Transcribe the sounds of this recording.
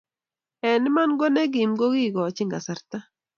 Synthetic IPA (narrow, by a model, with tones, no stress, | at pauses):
ɛ˨nɪ˦ma˦nɡɔ˦nɛ˦ɡɪ˨mɡo˦ɡi˦˨ɡɔ˨t͡ʃɪ˦ŋɡa˨sa˨ɾt̪a˦